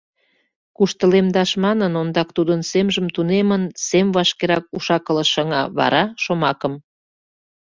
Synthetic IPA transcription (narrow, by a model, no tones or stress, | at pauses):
kuʃt̪əlemd̪ɑʃmɑnənond̪ɑk̚t̪ud̪ənsemʒəmt̪unemənsemβɑʃkeɾɑk̚uʃɑkələʃəŋɑβɑ̰ɾɑʃomɑkəm